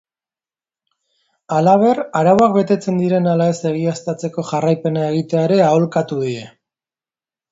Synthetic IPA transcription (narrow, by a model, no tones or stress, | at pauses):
alaβ̞e̞raɾawakbe̞t̪e̞t͡se̞nd̪iɾe̞nalae̞se̞ɣ̞iast̪at͡se̞ko̞ʝarajpe̞nae̞ɣ̞it̪e̞aeɾe̞ao̞lkat̪uðie̞